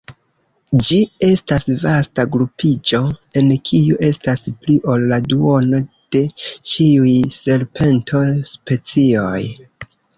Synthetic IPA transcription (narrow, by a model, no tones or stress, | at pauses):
d͡ʒie̞stasvastaɡɾupid͡ʒo̞e̞nkʰiuʔe̞staspliʔo̞lːaduo̞no̞d̥e̞t͡ʃiujse̞ɾpʰe̞ntʰo̞spe̞t͡sio̞j